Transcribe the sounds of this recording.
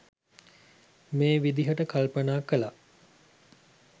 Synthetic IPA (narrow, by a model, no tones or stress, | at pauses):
meːʋid̪iɦəʈəkalpənaːkəla